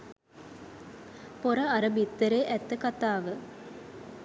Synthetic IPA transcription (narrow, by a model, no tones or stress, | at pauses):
poɾəaɾəbit̪ːəɾeːʔæt̪ːəkat̪aːʋə